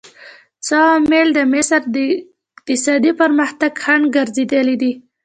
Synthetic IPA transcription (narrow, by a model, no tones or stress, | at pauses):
t͡sɑmeld̪əmɪsɾd̪ə | kt̪ɪsɑd̪ipəɾməxt̪aɡxaɳɡaɾzed̪əlid̪i